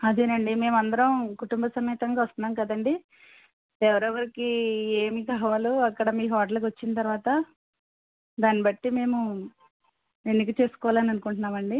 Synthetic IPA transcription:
ɐd̪eːnɐɳɖime̞ːmɐnd̪ɐɾɐmkuʈumbɐsɐmiːt̪ɐŋɡaːʋɐst̪ɐnaːmkɐd̪ɐɳɖi | ɛʋɐɾɐʋɐɾikieːmikaːʋaːluɐkːɐɽɐmiːɦɔːʈ̬ɐlɐk̬ʋɐt͡ʃːinɐt̪ɐɾuʋaːt̪ɐ | d̪aːnːibɐʈːime̞ːmu | enːikit͡ʃe̞ːsu̥kɔːʋlaːnɐnukuɳʈunːaːmɐɳɖi

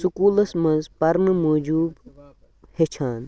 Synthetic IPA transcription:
sukuːlɐsmɐnzpɐɾnɨmoːd͡ʒuːb | het͡ʃʰaːn

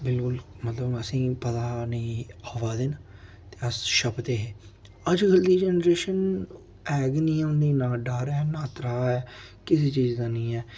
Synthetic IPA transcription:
bɪlkʊlmət̪ləbəsĩːpət̪aːnĩːaːʋaːd̪ɪn | t̪eːəsʃəbt̪eːɦeː | əd͡ʒɡəld̪iːd͡ʒɛːnəɾeːʃən | ɛːɡnĩːɛʊ̃nd̪iːnaːɖaːɾɛːnãːt̪ɾaːɛːkɪs̬eːt͡ʃiːzd̪ãːnĩːɛː

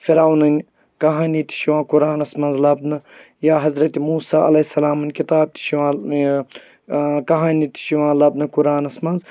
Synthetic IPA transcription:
fiɾawnɐnʲ | kɐɦaːnit̪ʰi̥ʃiʋãːkʊɾaːnɐsmɐnzlɐbnɨ | jaːɦɐzɾɐt̪imuːsaːʔɐ̰lɐhisɐlaːmɨnʲkit̪aːb̚t̪ʰi̥ʃiʋãː | kɐɦaːnit̪ʰi̥ʃiʋãːlɐbnɨkʊɾaːnɐsmɐnz

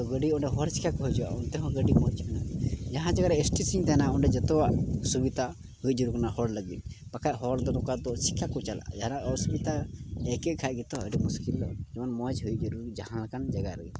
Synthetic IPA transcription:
t̪ɔɡəɖiuɳɖɛɦɔɾsi̥kʰakɔɦud͡ʒua̰ʔɔnt̪ɛɦɔ̃ɡəɖimɔt͡ʃkɔnad͡ʒaɦãd͡ʒaɡaɾɛesʈisiɲt̪ɛɦnaʔuɳɖɛd͡ʒɛt̪ɔwaʔsubit̪a | huj̚d͡ʒuɾuɾknahɔɽləɡit̪̚pakʰaʔɦɔɽd̪ɔnɔkad̪ɔɾsi̥kʰːakɔt͡ʃala̰d͡ʒaɦanaʔɔsubit̪aɛkɛkʰaʔɡɛt̪ɔəɖimuskilːɔ̰d͡ʒɔɔnmɔd͡ʒɦujiʔ̚d͡ʒɔɾuɾid͡ʒahãnlakand͡ʒaɡaləɡit̪̚

